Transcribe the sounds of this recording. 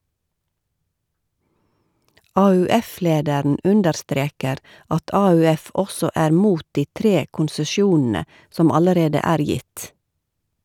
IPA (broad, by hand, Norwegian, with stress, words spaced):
ɑːʉːˈɛˌfleːdæɾn̩ ˈʉndəɾˌstɾeːkəɾ ˈɑt ɑːʉːˈɛf ˈɔsɔ ˈæːɾ ˈmuːt ˈdiː ˈtɾeː kʊnsəˈʃjuːnn̩ə ˈsɔm ˈɑləɾeːdə ˈæːɾ ˈjɪt